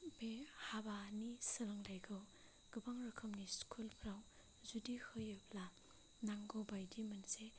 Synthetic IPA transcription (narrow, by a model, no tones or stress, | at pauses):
behabanisɯɾaŋlajɡʰɯw | ɡ̥ɯbaŋɾekʰɔmniskʰulpʰɾaw | zudihɯjɯbʰla | naŋɡobajdimɯnse